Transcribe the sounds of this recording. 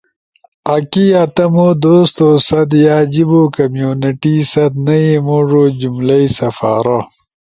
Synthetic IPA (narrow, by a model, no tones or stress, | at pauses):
ɐkiɐt̪ɐmod̪oːst̪oːsɐd̪jaːd͡ʑiboːkɐmjuːniʈisɐt̪nɐimoʐod͡ʑumlɐjsɐfa̰ːɾɐ